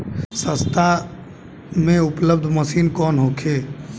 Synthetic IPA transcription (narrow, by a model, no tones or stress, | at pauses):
sə̃st̪ʰa | mẽʊpləb̚d̪ʱməsiːnkɔːnɦokʰe